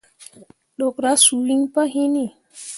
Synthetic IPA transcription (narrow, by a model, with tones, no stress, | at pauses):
ɗɔ˨kɾa˦su˨li˦ŋpa˦ɦi˦ni˦˨